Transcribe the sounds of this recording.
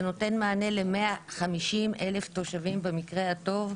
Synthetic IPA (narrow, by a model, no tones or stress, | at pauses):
no̞te̞nmaːne̞lemeaχamiʃimʔe̞left̪o̞ʃavimbemikʁeato̞v